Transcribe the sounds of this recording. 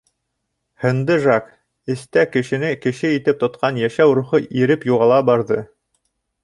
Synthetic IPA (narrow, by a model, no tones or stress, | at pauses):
hɤ̆nd̪ɤʒɑk | ɘ̆st̪ækɘ̆ʃɘ̆nɘkɘ̆ʃɘit̪ɘp̚t̪ŏt̪̚qʰɑnjæʃæwɾuχɤʔiɾɘpjuʁɑlˠɑbɑɾðɤ